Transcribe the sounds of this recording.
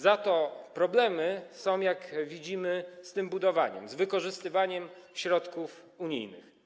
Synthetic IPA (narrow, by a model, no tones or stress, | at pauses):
zat̪ɔpɾɔblɛmɘsɔ̃w̃jakvʲid͡ʑimɘst̪ɘmbud̪ɔva̰ɲɛ̰mzvɘkɔʐɘst̪ɘvaɲɛmɕɾɔt̪kuf | uɲḭjnɘ̰x